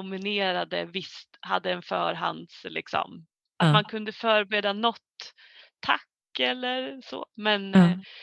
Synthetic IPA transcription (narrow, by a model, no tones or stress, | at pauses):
ʊmɪneːɾad̪əvɪst̪ha̰d̪ːəɛnfœ̰ːɾɦa̰nd̪slɪ̰ksɔ̰m | at̪mankʰɵnd̪əfœːɾbeːd̪anɔt̪ʰː | a̰kːɛlːəɾso̰ːmɛn